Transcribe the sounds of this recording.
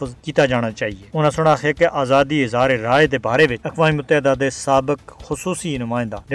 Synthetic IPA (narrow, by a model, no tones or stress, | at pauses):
əzkiːt̪aːd͡ʒaːɽ̃aːt͡ʃaːɦieːʊnãːsʊɽ̃aːxʰaːkeʔaːzaːd̪iːɪzaːɾeɾaːed̪eːbaːɾeːʋɪt͡ʃɐkʋaːiːʊt̪ːd̪aːd̪eːsaːbəkxʊsuːsiːnʊmãːɪ̃nd̪aːɾ